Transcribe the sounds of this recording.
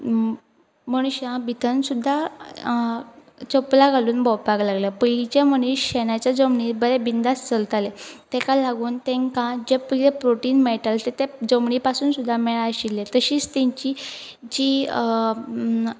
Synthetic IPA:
məɽ̃uɕãbʱit̪ʰənsud̪ʱːa | t͡səplaɡʱaluːnbɔwpaɡlaɡlapəit͡ɕeməɽ̃uɕɕenat͡ɕad͡zəmɳibəɾebind̪ast͡səlt̪alet̪ɛ̃kalaɡuːnt̪ẽŋkãd͡ʑepəlepɾoʈiːnmeɭʈalt̪et̪ed͡zəmɳipasuːnsud̪ʱːamɛɭaəɕilːet̪əɕiːt͡st̪ɛ̃ɲt͡ɕi | d͡ʑi

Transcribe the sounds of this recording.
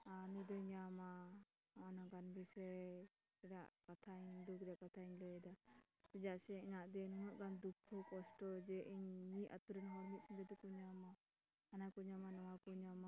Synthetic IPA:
anud̪ɔɲama | anaɡanbisɛ | ɛɖaʔkat̪ʰaiɲd̪ukɾɛaʔkat̪ʰaiɲlɛd̪a | pɛd͡ʒaʔsɛiɲaʔd̪ɛnuɦɔʔ̚ɡand̪ukʰːɔkɔsʈɔd͡ʒɛʔiɲːiʔa̰t̪uɾɛnɦɔɾmit̪̚sumɡɛd̪ɔkuɲamaː | nakuɲamanɔwakuɲama

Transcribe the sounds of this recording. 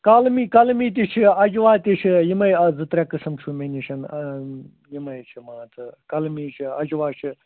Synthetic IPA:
kalmiːkɐlmiːt̪̬ʲit͡ʃʰiɐd͡ʒʋaːt̪ʲit͡ʃʰijimɐjɐzɨt̪ɾʲekɨsɨmt͡ʃʰumenʲiʃɐn | jimɐjt͡ʃʰimãːt͡s̪ɨkɐlmiːt͡ʃʰiɐd͡ʒʋaːt͡ʃʰi

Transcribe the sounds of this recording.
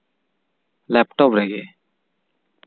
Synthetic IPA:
lɛpʈɔpɾɛɡe

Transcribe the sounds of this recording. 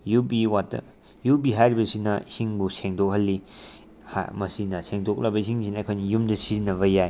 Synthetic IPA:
jubiwat | jubiɦajɾibɐsinɐisiŋbuseŋdok̚ɦɐlːi | ha̰mɐsinɐseŋdok̚lɐbɐis̬iŋs̬inɐjkʰojnijumdɐsizinɐβɐjaj

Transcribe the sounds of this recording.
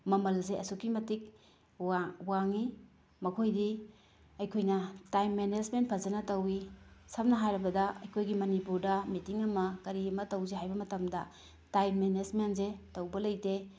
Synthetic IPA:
mɐmɐlzeʔɐsukimɐtik̚ | wawaŋi | mɐkʰojdi | ɐjkʰojnɐtajmːenezment̚pʰɐzɐnɐtɐwisɐmnɐɦajɾɐbɐdɐɐjkʰojɡimɐnipuɾdɐmitiŋɐmɐkɐɾiɐmɐtɐwzeɦajbɐmɐtɐmdɐ | tajmːenezmentzetɐwbɐlɐjte

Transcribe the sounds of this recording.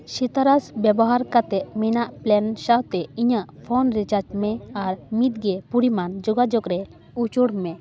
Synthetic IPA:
ʃit̪aɾasbjɛbɔɦaɾkat̪ɛʔ̚mɛnaʔplɛnʃawt̪ɛiɲaʔpʰɔnɾit͡ʃaɾd͡ʒmɛaɾmit̪̚ɡɛpuɾimand͡ʒoɡad͡ʒɔkɾɛ | ut͡ʃuɽmɛ

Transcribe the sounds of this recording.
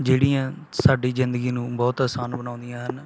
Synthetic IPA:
d͡ʒeːɽiãː | saːɖiːzɪnd̪əɡiːnũːbɔːt̪aːsaːnbənãːʊ̃nd̪ijãːɦən

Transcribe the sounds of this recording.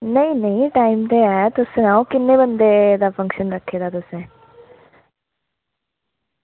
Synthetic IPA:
nəĩnəɦĩʈaːimt̪eɛt̪ʊsẽnãːũkɪnːẽbənd̪ed̪aːpʰə̃ŋkʃənɾəkʰːeːd̪aːt̪ʊsẽː

